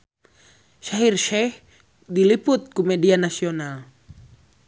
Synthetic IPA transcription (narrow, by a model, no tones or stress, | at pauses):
ʃaɦirʃɛh | diliput̪̚kumɛdianasional